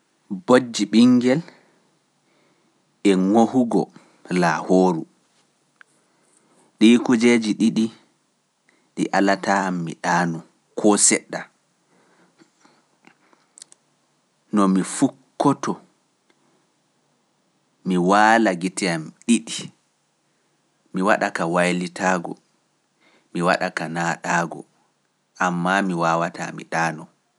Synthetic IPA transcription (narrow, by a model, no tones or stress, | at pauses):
bod͡ʒːiɓiŋɡɛl | ɛŋohuɡɔ̰ | lahoːɾu | ɗikud͡ʒed͡ʒiɗiɗi | ɗiʔalataːmːḭɗaːnu | kʰɔsɛɗːa | nɔmifukːɔtɔ | miwaːlaɡitɛamɗiɗi | miwaɗakawajlitaːɡɔ̰ | miwa̰ɗakanaːɗaːɡɔ̰ | ʔamːamiwaːwata̰mḭɗaːnɔ